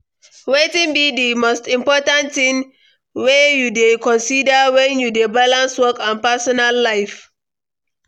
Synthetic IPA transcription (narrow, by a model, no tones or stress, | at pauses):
wetĩnbidimostĩmpɔtãntĩn | wejudekɔ̃nsidəwɛ̃njudebalãnswɔkãnpɛsɔnalːaɪf